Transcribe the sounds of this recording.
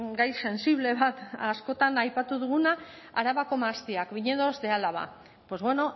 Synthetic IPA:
ɡajse̞nsiβle̞βat̪asko̞t̪anajpat̪uðuɣuna | aɾaβako̞maːst̪iakβiɲe̞ðo̞zde̞alaβa̰ | po̞zβwe̞no̞

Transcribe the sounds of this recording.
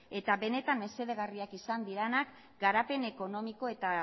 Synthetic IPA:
e̞t̪aβe̞ne̞t̪amme̞se̞ðe̞ɣ̞ariakisand̪iɾenak | ɡaɾape̞ne̞ko̞no̞miko̞e̞t̪a

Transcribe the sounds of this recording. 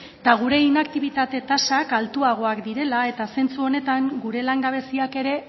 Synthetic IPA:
t̪aɣ̞uɾe̞inakt̪iβ̞it̪at̪e̞t̪asakalt̪uaɣ̞o̞akd̪iɾe̞lae̞t̪ase̞nt͡suo̞ne̞t̪aŋɡuɾe̞laŋɡaβ̞e̞siake̞ɾe̞

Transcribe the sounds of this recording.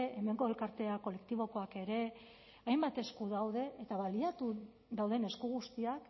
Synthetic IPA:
eme̞ŋɡo̞e̞lkaɾt̪e̞ako̞le̞k̚t̪iβ̞o̞ko̞ake̞ɾe̞ | ajmbat̪e̞skuðawð̞e̞ʔet̪aβaliat̪u | ðawðe̞ne̞skuɣ̞ust̪iak

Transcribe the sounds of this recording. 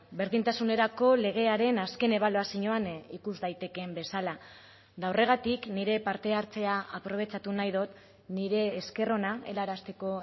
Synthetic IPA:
be̞ɾðint̪asune̞ɾako̞le̞ɣ̞e̞aɾe̞naske̞ne̞β̞aloasiɲoanikuzðajt̪e̞ke̞mbe̞sala | dawre̞ɣ̞at̪ikniɾe̞paɾt̪e̞aɾt͡se̞aapɾo̞β̞e̞t͡ʃat̪unajðot̪ | niɾe̞ːske̞ro̞nae̞̰laɾast̪e̞ko̞

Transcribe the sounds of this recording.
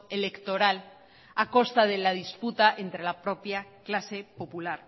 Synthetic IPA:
ele̞kt̪o̞ɾal | ako̞st̪aðelaðisput̪aʔe̞nt̪ɾe̞lapɾo̞pjaklase̞po̞pulaɾ

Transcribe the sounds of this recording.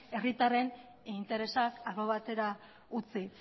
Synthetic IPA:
e̞rit̪are̞n | int̪e̞ɾe̞sakaɣoβ̞at̪e̞ɾa | ut͡si

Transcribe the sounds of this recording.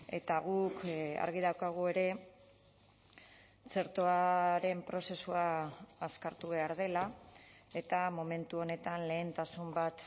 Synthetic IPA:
e̞̰t̪aɣ̞uka̰ɾɣiðawkaɣ̞ue̞ɾe̞ | t͡se̞ɾt̪oaɾe̞mpɾo̞se̞suaːskaɾt̪uβ̞e̞aɾð̞e̞la | e̞t̪amo̞me̞nt̪uo̞ne̞t̪anle̞ːnt̪asumbat̪

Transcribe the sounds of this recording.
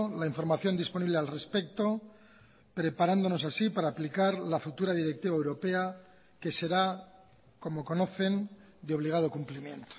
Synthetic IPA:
laiɱfo̞ɾmaθjo̞nd̪ispo̞niβlealre̞spek̚t̪o̞ | pɾe̞paɾand̪o̞no̞sasipaɾaːplikaɾlafut̪uɾað̞iɾe̞k̚t̪iβaewɾo̞pe̞a | ke̞se̞ɾa | ko̞mo̞ko̞no̞θe̞n | d̪eo̞β̞liɣ̞að̞o̞kumplimjẽ̞̰nt̪o̥

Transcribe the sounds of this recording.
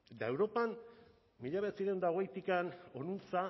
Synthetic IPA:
et̪ae̞wɾo̞pam | miʎaβet͡siɾewnd̪aoɣ̞ejt̪ikano̞nunt͡sa

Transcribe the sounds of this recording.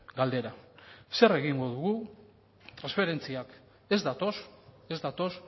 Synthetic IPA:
ɡald̪e̞ɾase̞re̞ɣiŋɡo̞ðuɣu | t̪ɾansfe̞ɾe̞nt͡siak | e̞zd̪at̪o̞s | e̞zd̪at̪o̞s

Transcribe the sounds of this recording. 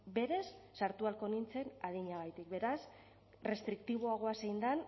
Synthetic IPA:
be̞ɾe̞sːaɾt̪ualko̞nint͡se̞nað̞iɲaɣ̞ajt̪ikbe̞ɾas | re̞st̪ɾik̚t̪iβ̞o̞aɣ̞o̞asejnd̪an

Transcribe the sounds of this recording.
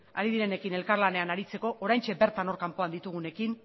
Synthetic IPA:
a̰ɾiðiɾene̞kine̞lkaɾlane̞anaɾit͡se̞ko̞ʔoɾajnt͡ʃe̞be̞ɾt̪ano̞ɾkampo̞and̪it̪uɣ̞une̞kin

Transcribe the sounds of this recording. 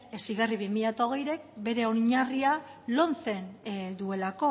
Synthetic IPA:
esiɣariβimiʎat̪o̞ɣ̞e̞jɾe̞kbe̞ɾe̞o̞ɲarialo̞nt͡se̞nd̪ue̞lako̞

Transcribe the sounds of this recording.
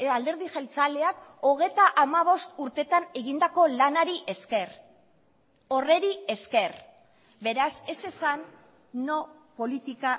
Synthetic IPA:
ald̪e̞ɾðixelt͡sale̞ako̞ɣ̞e̞jt̪aʔamaβ̞o̞st̪uɾt̪e̞t̪ane̞ɣind̪ako̞lanaɾiʔe̞ske̞r | o̞re̞ɾie̞ske̞r | be̞ɾase̞se̞sanː | o̞po̞lit̪ika

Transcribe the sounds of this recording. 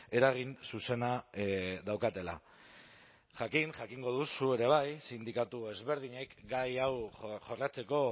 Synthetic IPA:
e̞ɾaɣ̞insuse̞na | ðawkat̪e̞la̰ | ʝakiŋʝakiŋɡo̞ð̞usue̞ɾe̞β̞ajsind̪ikat̪ue̞zβe̞ɾð̞iɲe̞kɡajawʝo̞rat͡se̞ko̞

